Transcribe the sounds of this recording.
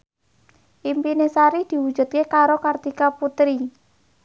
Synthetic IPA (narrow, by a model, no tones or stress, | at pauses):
ʔimpinesaɾid̪̥i̤wud̥ʒ̥ṳt̪̚kekaɾokart̪ikaput̪ɾi